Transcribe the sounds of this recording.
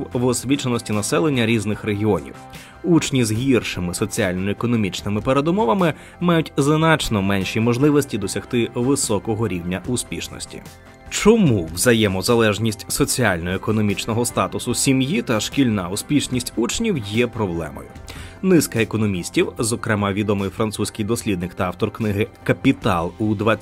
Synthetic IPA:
wʋɔsʲʋʲit͡ʃɐnɔsʲtʲinɐsɛlˠenʲːɐɾʲiznɪxɾeɦʲiɔnʲḭw | ut͡ʃnʲizɦʲirʃɪmɪsɔt͡sʲialʲnɔekɔnɔmʲit͡ʃnɪmɪpeɾed̪ʊmɔʋɐmɪ | mɑjʊtʲznɑt͡ʃnɔmɛnʲʃimɔʒlˠɪʋɔsʲtʲid̪ɔsʲɐxt̪ɪʋɪsɔkɔɦɔɾʲiwnʲɐʔʊspʲiʃnɔ̰sʲtʲḭ | t͡ʃɔmuwzɐjɛmɔzɐlˠɛʒnʲisʲtʲsɔt͡sʲialʲnɔekɔnɔmʲit͡ʃnɔɦɔst̪ɑt̪ʊsʊsʲimjit̪ɐʃkʲilʲnɑʊspʲiʃnʲisʲtʲut͡ʃnʲiwjɛpɾɔblˠɛ̰mɔ̰jʊ̰nɪskɐekɔnɔmʲisʲtʲiwzɔkɾɛmɑʋʲid̪ɔmɪjfɾɐnt̪susʲkɪjd̪ɔsʲlʲid̪nɪkt̪ɐɑwt̪ɔrknɪɦɪkɐpʲit̪ɑ̰lˠud̪ʋa

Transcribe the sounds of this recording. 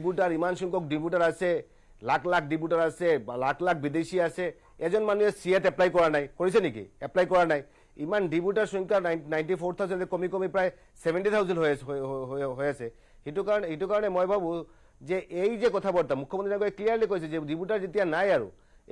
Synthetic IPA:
buʈaɹimansuŋkɔk̚dibuʈaɹasɛ | lakʰlak̚ʰdibuʈaɹasɛlakʰlak̚ʰbid̪esiasɛ | ɛzɔnmanuɛsiɛtɛplajkɔɹanajkoɹis̬ɛnikḭɛplajkɔɹanaj | imandibuʈaɹsuŋkanajnʈipʰɔɹt̪ʰawzɛnɛkomikomipɹaj | sɛbʱɛnʈit̪ʰawzɛndɦojɦɦojasɛ | hitukaɹɔnhitukaɹɔnɛmojbʱabũ | zɛʔejzɛkɔt̪ʰabɔɹt̪amukʰːɔmɔnt̪ʰiaɡɔɛkliaɹlikojs̬ɛzɛdibutaɹzitijanajaɹṵ

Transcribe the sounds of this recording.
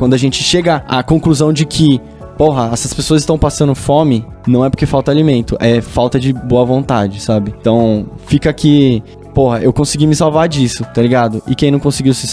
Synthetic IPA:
kwɐ̃d̪ʊaʒẽnt͡ʃɪ̥ʃeɡɐa̰kõkluzɐ̃w̃d͡ʒɪkʰɪ | poɦɐɐsɐspesoɐzɪst̪ɐ̃w̃pasɐ̃nd̪ʊfomɪ | nɐ̃w̃ɛpʊɾkefawt̪ɐalimẽnt̪ʊʔɛfawt̪ɐd͡ʒɪboɐvõnt̪ad͡ʒɪsabɪt̪ɐ̃w̃fikɐkʰɪ | pohɐʔewkõsɪɡimɪsawvaɾd͡ʒisʊt̪aliɡad̪ʊʔɪkẽj̃nɐ̃w̃kõsiɡiwsɪs

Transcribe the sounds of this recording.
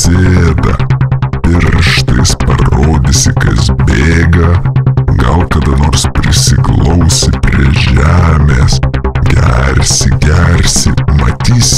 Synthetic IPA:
sʲeːd̪ɐ̰pʲɪɾʃt̪ɐɪspɐ̰ɾoːd̪ʲɪsʲɪkɐ̰sbʲeeːɡɐɡɐlˠkɐd̪ɐnoːrspʲɾʲɪsʲɪklˠɔʊsʲɪpʲɾʲḭʒʲæːmʲeːsɡʲɛ̰ɾʲsʲɪɡʲɛɾʲsʲɪmɐ̰t̪ʲiːsʲ

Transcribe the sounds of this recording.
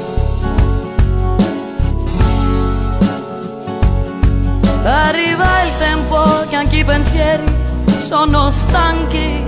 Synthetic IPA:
arːivailt̪ɛmpokeaŋkipensjɛɾisonost̪aŋki

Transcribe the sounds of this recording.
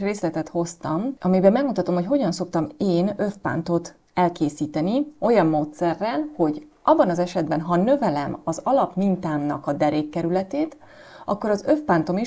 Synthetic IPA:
reːslɛt̪ɛt̪ho̞st̪ɒmɒmibɛmːɛɡmut̪ɒt̪omhocɦo̞ɟɒnso̞kt̪ɒmeːnø̞fpa̰nt̪o̞t̪ | ɛlkeːsiːt̪ɛnio̞jɒmːoːt̪sɛrːɛlho̞ɟʔɒbːɒnɒzɛʃɛd̪bɛnɦɒnø̞vɛlɛmɒzɒlɒpmint̪aːmnɒ̰kɒd̪ɛɾeːkːɛɾylɛt̪eːt̪ | ɒkːo̞ɾɒzø̞fpant̪o̞mi

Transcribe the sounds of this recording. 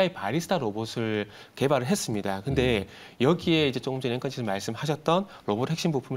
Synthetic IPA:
aipaɾisʰɯ̥tʰaɾobosʰɯɭ | ke̞baɾɯɭɦes͈ɯmɲidakɯnde̞ | jʌɡie̞id͡ʑe̞t͡ɕ͈oɡɯmd͡ʑʰeneŋk͈ʰʌnt͡ɕʰisʰɯɭmaɭs͈ɯmɦaɕʰʌt̚t͈ʌn | ɾobothe̞k̚ɕ͈imbupʰum

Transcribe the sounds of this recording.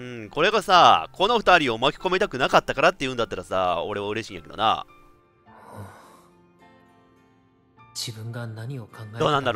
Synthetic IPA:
ɯ̟̃ɴko̞ɾe̞ɡasakʰo̞no̞ɸɯ̟t̪aɾʲio̞makʲi̥ko̞met̪akɯ̟nakat̪ːakaɾat̪ːeiɯ̟̃nd̪at̪ːaɾasa̰ːo̞ɾe̞βaɯ̟ɾe̞ɕiːja̰ke̞d̪o̞̰na̰ | d͡ʑibɯ̟̃ŋɡanaɲ̟io̞kʰãŋɡad̪oːnãnd̪aɾ

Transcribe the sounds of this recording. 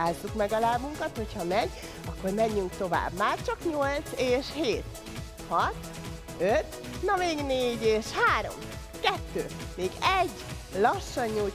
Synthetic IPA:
aːzːukmɛɡɒlaːvuŋkɒt̪ho̞chɒmɛɟ | ɒkːo̞rmɛɲːyŋkt̪o̞va̰ːbmaːrt͡ʃɒkɲo̞lt̪seːʃheːt̪ | hɒt̪ | øt̪ | nɒmeːɡneːɟeːʃhaːɾo̞̰m | kɛt̪ːø̰ːmeːɡɛɟː | lɒʃːɒɲːul

